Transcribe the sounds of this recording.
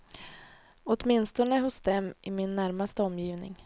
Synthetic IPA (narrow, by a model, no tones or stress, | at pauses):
ɔt̪mɪnst̪ɔnəɦʊsd̪ɛmʔɪmɪnːæɾmast̪əɔmːjiːvnɪ̰ŋ